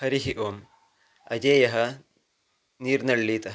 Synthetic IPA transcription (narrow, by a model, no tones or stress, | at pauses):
ɐɾiɦiʔoːm | ɐ̰d͡ʒeːjɐɦɐ | niːɾnɐɭːiːt̪ɐ